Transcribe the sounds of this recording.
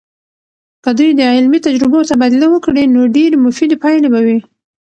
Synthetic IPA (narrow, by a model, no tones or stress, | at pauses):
kəd̪ujd̪əʕɪlmit̪ad͡ʒɾɪbot̪abad̪lawəkɽenoɖeɾmʊfid̪epajlebawi